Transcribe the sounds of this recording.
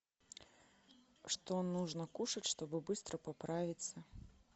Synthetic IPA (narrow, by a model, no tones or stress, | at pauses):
ʂt̪ɔnːuʐnɐkuʂɐt͡sʲʂt̪ɔbɨbɨst̪ɾʔɐpapɾavʲit̪sːɐ